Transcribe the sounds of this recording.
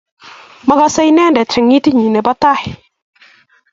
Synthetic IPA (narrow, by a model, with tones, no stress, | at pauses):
ma˦ɡa˦sa˦jnɛ˦ndɛ˨tɪ˨ŋi˦ti˦ɲi˨nɛ˨ba˦ta˦hɪ